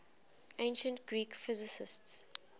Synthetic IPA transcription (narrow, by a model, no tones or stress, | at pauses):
ʔẽɪ̃nʃə̃ntɡɹiːkfɪzɪsɪsts